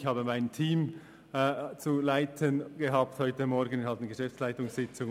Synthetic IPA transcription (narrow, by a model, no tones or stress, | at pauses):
çhɑːbəmaɪntʰiːmː | t͡sulaɪtʰənɡ̥eɦɑːp̚thɔʏtəmɔɾɡən̩ɪnhɑlt̪nɡəʃɛft͡slaɪtʊŋsɪt͡sʊŋ